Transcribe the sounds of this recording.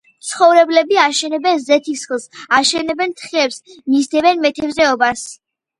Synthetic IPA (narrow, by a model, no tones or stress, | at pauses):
t̪sʰχɔvɾɛblɛbiaʃɛnɛbɛnzɛt̪ʰisklˠsaʃɛnɛbɛnt̪ʰχiɛpsmizd̪ɛbɛnmɛt̪ʰɛbzɛɔbas